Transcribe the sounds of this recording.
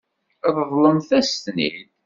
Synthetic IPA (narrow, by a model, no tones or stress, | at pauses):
ðˤðˤlənθæst̪nḭd